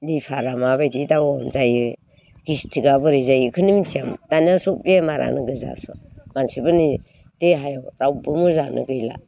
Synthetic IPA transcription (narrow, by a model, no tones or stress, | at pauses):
lipʰaɾamabajditawɔmzajɯ | ɡ̥istʰiɡabɯɾizajɯkʰɯnimitʰiamtanasɔbemaɾʔa̰nɯɡɯza̰sɔ̰mansibɯni | teɦajɔwɾawbɯmɯzanʔɯ̰ɡɯjla̰